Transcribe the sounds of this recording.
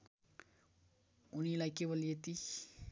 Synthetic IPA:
unilajkebolijet̪i

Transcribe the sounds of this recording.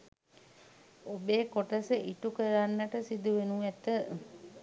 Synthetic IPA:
obeːkoʈəsəʔiʈukəɾanːəʈəsid̪uʋenuɛt̪ə

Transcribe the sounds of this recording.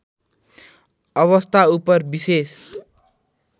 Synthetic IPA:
ʌβʌst̪ʰaupʌrbises

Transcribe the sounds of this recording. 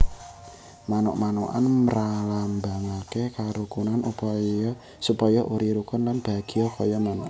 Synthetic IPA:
manɔ̰ʔmanoʔa̰nməɾalamba̤ŋakekaɾukunanup | supɔjɔʔuɾiɾukʊnlanb̥a̤ɡ̥i̤ɔkɔjɔmanɔʔ

